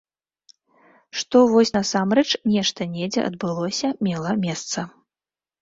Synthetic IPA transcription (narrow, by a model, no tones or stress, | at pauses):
ʂt̪ɔvɔsʲnɐsamɾɛt͡ʂnʲɛʂt̪ɐnʲɛd͡zʲɛ̰ʔɐ̰d̪bɨlˠɔsʲɐmʲɛlˠɐmʲɛst̪sɐ